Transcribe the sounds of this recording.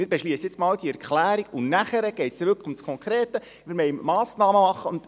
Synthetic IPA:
mɪɾb̥ɛʃliəsjɪt͡smɑːld̥̪iɛɾkχlæːɾiɡʊnæχəɾəɡ̥ɛjtsd̥ɛʋʏkʰəʊmskʰɔŋkɾeːt̪ə | mɪːɾmɛɪmmɑːsnɑːməmɑχːəʊnd̥̪

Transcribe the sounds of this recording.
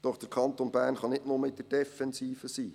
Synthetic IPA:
d̥ɔχd̥əɾkʰɑnt̪onbæːɾnχɑnɪtnʊməɪd̥̪əd̥ɛfɛnsiːfəsiː

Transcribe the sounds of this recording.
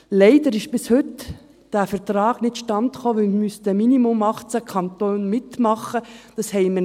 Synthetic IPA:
lɛɪdəɾɪʃb̥ɪshʏt | d̥æːfəɾtrɑːɡ̥nɪtʃtɑntχoːʋɪlmmystəminimʊmɑχt͡sækʰɑnt̪oːnmɪtmɑχəd̥ɑshɛɪmə

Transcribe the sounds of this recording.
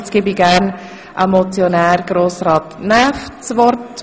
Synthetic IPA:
t͡sɡ̥iːbiɡ̥æːɾn | ʔamɔt͡sjonɛːɾɡ̥ɾoːsɾaːtnaft͡svɔɾt

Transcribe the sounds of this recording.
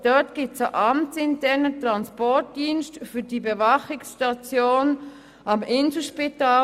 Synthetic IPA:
d̥ɔtɡ̥ip̚t͡saʔɑmt͡sɪntʰɛɐnətʁɑnspɔɹt̚diːnstfyːdiːbevɑχɪksʃtɑt͡sjoːn | ɑmʔɪnzl̩ʃpitaː

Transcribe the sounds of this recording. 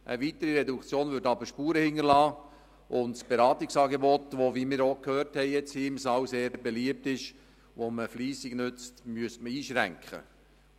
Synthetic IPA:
ʔə̰ʋitəɾiɾɛdukt͡sjoːnvʏɾtɑbəɾʃpuːɾəhɪŋːəɾlɑː | ʔʊndsb̥eɾɑːtɪksɑːɡebɔtʋoʋimɪːɾokhøːrthɛɪjɛt͡shimsɑwseːɾbeliəp̚tɪʃ | ʋoməfliːsɪɡnʏt͡stmyəstməiːʃɾæ̰ŋkχə̰

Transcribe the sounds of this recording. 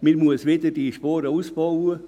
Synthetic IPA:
mimuəsʋedədiʃpɔːɾəuːsb̥ɑwə

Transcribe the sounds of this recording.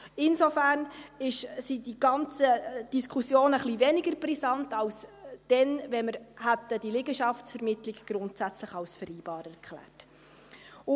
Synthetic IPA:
ɪnsofæːɾnɪʃsidiɡɑnt͡səd̥iskʰχusjoːnəχlivɛnɪɡəɾbɾisɑntɑwsd̥ɛnvɛməɾhæt̪ːəd̥ilɪɡəʃɑftsfɛɾmɪtlɪɡɡ̥ɾʊntsæt͡sləχɑwsfəɾiːb̥ɑːɾɛɾkʰχlæ̰ːrt | ʊ

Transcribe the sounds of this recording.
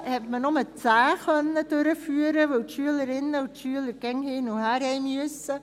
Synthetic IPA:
hɛtmənɔmət͡saːxœnədøɾəfyːəɾəʋowtʃyələɾɪnːəʊtʃyələɾɡɛŋheːnohæɾɛmyəsə

